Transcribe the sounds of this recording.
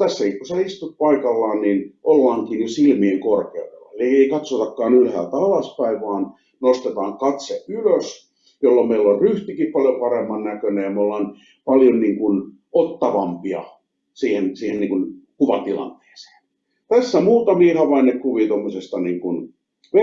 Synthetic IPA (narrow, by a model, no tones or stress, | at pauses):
t̪æsːækikkuseist̪ut̪̚pɑikɑlːɑːnninʔolːɑːŋkiːnysilmieŋkorkḛudḛlːɑ̰elieikɑt̪sot̪ɑkːɑːnylhæ̰ːt̪ɑlɑspæiʋʋɑːn | nost̪et̪ɑːŋkɑt̪seyløs | jolːommeilːolryht̪ikippɑljopɑremːɑnnækønejɑmeolːɑːn | pɑljonniːŋkun | ot̪ːɑʋɑmpiɑ̰ | siːhensiːhenniːŋkunkuʋɑt̪ilɑ̰nt̪e̥ːse̥ːn | t̪æsːæmuːt̪ɑmiːhɑʋɑinːekkuʋiːt̪omːosest̪ɑniːŋkun | ʋ